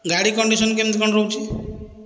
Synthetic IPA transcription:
ɡaɽikɔɳɖisɔnk̬emt̪kɔnɾɔũt͡ʃʰi

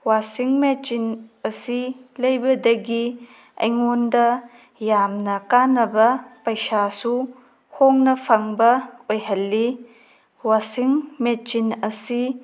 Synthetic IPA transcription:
wasiŋmet͡ʃinɐsilɐjbɐdɐɡi | ɐ̰jŋondɐ | jamnɐkanɐbɐpɐjsasu | hoŋnɐpʰaŋbɐojɦɐlːi | wasiŋmet͡ʃinɐsi

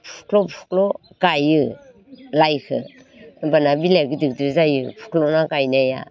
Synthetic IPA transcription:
pʰu̥kʰlɔpʰu̥kʰlɔ | ɡajɯ | lajkʰɯ̰ | banabileɡɯdɯk̚dɾzajɯpʰu̥kʰlɔnaɡajnaja̰

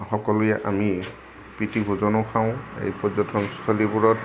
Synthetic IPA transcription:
xɔkɔlujɛʔami | pɹitibʱozɔnɔkʰaʊ̃ḛjpɔzɔtʰɔmst̪ʰɔlibuɹɔt

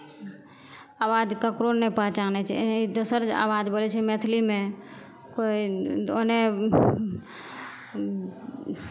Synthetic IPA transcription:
awad͡ʒkəkɾonːepat͡ʃanɛt͡ʃʰɛ̰id̪osəɾd͡ʒa̰wad͡ʒbolɛt͡ʃʰɛmet̪ʰlime | koione

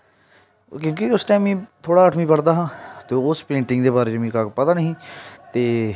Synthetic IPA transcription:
kjõːkiʊsʈaːmːĩːt̪ʰoːɽaːəːʈʰmiːpəɽd̪aːɦãːt̪eːʊspẽːɳʈɪ̃ŋɡd̪eːbaːɾeːd͡ʒmĩːkakpət̪aːnəɦĩːt̪eː

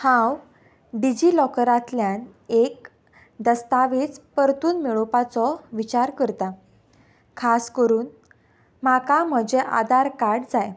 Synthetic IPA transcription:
hãw | ɖid͡ʑilɔkəɾat̪ljan | ek̚ | d̪əst̪aʋiːt͡spəɾt̪uːnmiɭopat͡sɔʋit͡ɕaɾkəɾt̪a | kʰaskəɾuːn | makam̤əd͡ʑeʔa̰d̪aɾkaɾɽd͡zaj

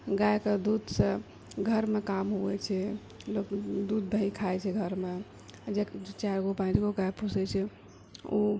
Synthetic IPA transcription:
ɡajkəd̪ud̪sə̃ | ɡʱəɾmekamɦuɛt͡ʃʰɛ | lokd̪ud̪̚ːʱəikʰaɛt͡ʃʰɛɡʱəɾme | d͡ʒet͡ʃaɾɡopãt͡ʃɡoɡajpusɛt͡ʃʰɛ | u

